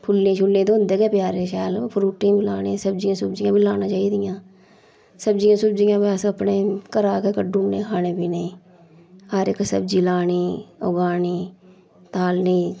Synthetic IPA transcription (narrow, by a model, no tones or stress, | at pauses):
pʰʊlnẽːt͡ʃʰʊlnẽt̪oʊ̃nd̪eːkeːpjaːɾeʃɛːlpʰʊɾuːʈːẽbʱilaːnesəb̚d͡ʒijãːsʊbd͡ʒijãːbʱilaːnãːt͡ʃaːid̪ijãː | səb̚d͡ʒijãːsʊbd͡ʒijãːbaːsəpneːkəɾaːkeːkəɖuːnnẽːkʰaːnẽːbʱiːne | aːɾeksəb̚d͡ʒiːlaːniːo̰ːɡaːniː | t̪aːlniː